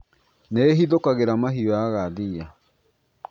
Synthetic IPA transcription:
neɦiðokaɣeɾamaɦiaɣaðia

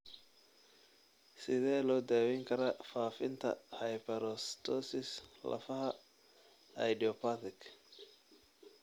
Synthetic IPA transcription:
sɪðɛːlɔːd̪aːwɛŋkʰɐɾɐfaːfɪnt̪ʰɐ̰hɐjpʰɛɾɔst̪ʰɔsɪslʔɐ̰fɐɦɐ | ɐ̰jɖiɔpʰat̪ɪkʰ

